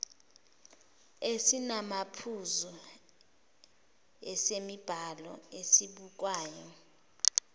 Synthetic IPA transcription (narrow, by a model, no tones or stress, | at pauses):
esinamapʰuzɔ | ɛsemib̥ʱalɔ̰esiɓuk̬waːjɔ